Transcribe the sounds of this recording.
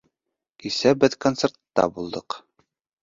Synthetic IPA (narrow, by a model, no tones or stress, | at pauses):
kisæbɘðkont̪sert̪ːɑ̰bulˠd̪ɤq